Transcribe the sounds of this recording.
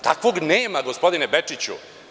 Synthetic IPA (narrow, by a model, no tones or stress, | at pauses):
t̪akʋo̞ɡneːmaɡospo̞d̪inebet͡ʂit͡ɕṵ